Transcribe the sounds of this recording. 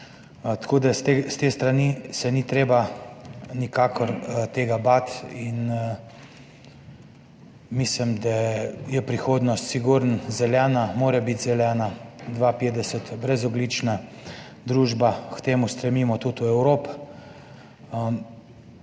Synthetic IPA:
t̪ḁkoːd̪asest̪est̪ɾanisɛnit̪ɾeːba | nikaːkʰɔɾt̪eːɡabat̪in | mislimd̪ajɛpɾixoːd̪nɔst̪siɡuɾnzɛljɛːnamoːɾɛbit̪zɛljɛːnad̪ʋapeːd̪ɛsət̪bɾɛzɔblit͡ʃna | d̪ɾuːʒbakt̪eːmust̪ɾɛmiːmɔt̪ut̪uɛwɾoːp

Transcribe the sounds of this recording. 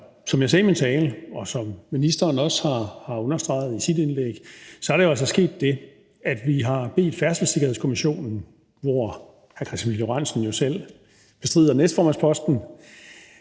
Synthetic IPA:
sɒ̽mjɑsɛːimint͡sʰɛːləɒ̽sɒ̽mːinisd̥ɐːnɒ̽shɑ̈hɑ̈ɔ̽nɐsd̥ʁɑ̈ɪð̞̩ˠisid̥e̝nleɡ̥sɒ̽æɾ̥ejoælsɐsɡ̥e̝̰ːd̥ːe̝ | æd̥ʋiɦɑ̈b̥e̝̰ːd̥fæɐsəl̩seɡ̥ɐhḛskʰo̝miɕo̝̰ːnn̩ | ʋɒ | hækʰɑsfiljoʁɑn̰sn̩jo̝sel̰ | b̥e̝sd̥ʁið̰ˠɐnesd̥fɒ̰ːmænspʰɒ̽sd̥n̩

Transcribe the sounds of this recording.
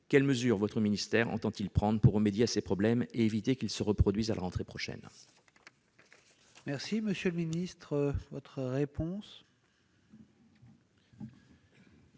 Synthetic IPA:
kʲɛlməzyʁvɔt̪χəminist̪ɛʁɑ̰̃t̪ɑ̃t̪ilpχɑ̃d̪ʁəpuʁːəmed̪jeasepχɔblɛmeevit̪ekʲilsəʁəpχɔd̪ɥizalʔa̰ʁɑ̃t̪χepχɔʃɛ̰n | mɛʁsiməsjələminist̪χəvɔt̪χəʁepɔ̃s

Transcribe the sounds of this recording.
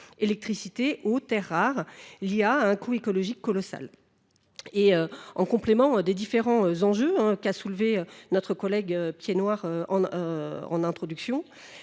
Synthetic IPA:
elɛk̚t̪χisit̪eʔot̪ɛʁːaʁliaɛ̃kuekɔlɔʒikːɔlɔsa̰l | eøɑ̰̃kɔ̃plemɑ̃d̪ed̪ifeʁɑ̃øzɑ̃ʒøɛ̃kasulveønɔt̪χəkɔlɛɡøpjenwaʁøɑ̃ | ɑ̰̃nɛ̃t̪χɔd̪yksjɔ̃

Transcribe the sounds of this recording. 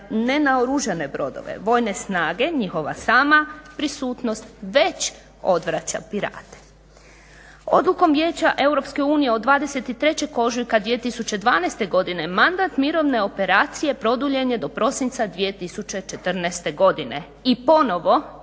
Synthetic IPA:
ne̞naoɾuʒene̞bɾo̞d̪o̰ʋḛʋo̞ːjne̞snaːɡe̞ɲixo̞ʋa̰saːmapɾisuːt̪no̞st̪ʋe̞t͡ɕ | o̞d̪ʋɾat͡ɕa̰piɾa̰ːt̪e̥ | o̞̰d̪luko̞mʋjeːt͡ɕaʔe̞wɾo̞pske̞uːnije̞od̪ʋaːd̪e̞se̞t̪it̪ɾe̞t͡ɕe̞ko̞ʒujkad̪ʋije̞t̪isut͡ɕe̞d̪ʋaːnejst̪e̞ɡo̞d̪ine̞mand̪at̪miɾo̞ʋne̞o̞pe̞ɾaːt̪sije̞pɾo̞d̪uʎe̞ɲed̪o̞pɾo̞sint̪sad̪ʋije̞t̪isut͡ɕe̞t͡ʃe̞t̪r̩nɛst̪e̞ɡo̞d̪ine̞ | ipo̞no̞ʋo̞

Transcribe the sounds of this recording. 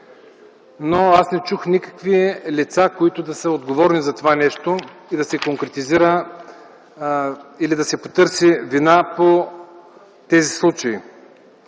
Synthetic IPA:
noasnɛt͡ʃuxnʲikə̥kvilʲit̪sakoit̪ʊd̪ɐsəod̪ɡovɔɾnizɐt̪ovanɛʃt̪oid̪ɐsɛkoŋkɾɛt̪iziɾə | ilid̪ɐsɛpot̪ɤɾsivinapo | t̪ɛzislˠut͡ʃɐi

